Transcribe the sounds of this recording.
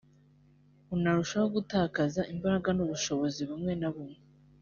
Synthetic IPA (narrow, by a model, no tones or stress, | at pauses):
unaɾuʃaoɡutaːkazaʔimbaɾaɡanuβuʃo̞βo̞ziβumŋe̞naβumŋe